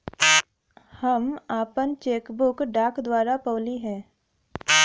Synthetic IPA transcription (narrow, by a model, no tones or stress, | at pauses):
hɐmaːpənt͡ʃeːkbʊkɖaːkd̪waːɾapoːliɦɛ̃ː